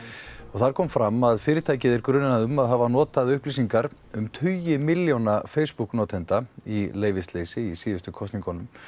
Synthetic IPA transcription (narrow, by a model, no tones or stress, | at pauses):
ɔɣθaɾ̥kʰɔːmfɾamːaðfɪːɾɪt̪ʰaːjcɪðɪɾkɾʏnːaðʏmaðɦavanɔːt̪aðʏhplisiŋkaɾ | ʏmt̪ʰʏjɪmɪljownafeːjspuknɔːt̪ʰɛnt̪aileːjvɪst̪leːjsɪisiːðʏst̪ʏkʰɔst̪niŋkɔnʏm